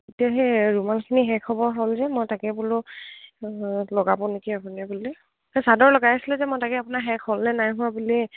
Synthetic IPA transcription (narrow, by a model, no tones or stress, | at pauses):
etijaɦɛɹumalkʰiniɦɛkʰɔbɔɹɦolzɛmojtakɛbulʊ | lɔɡabɔ̃nekiapunɛbuli | ɔsadɔɹlɔɡajasilɛzɛmɔjtakɛapʊnaɦɛkʰolnɛnajɦʊwabuli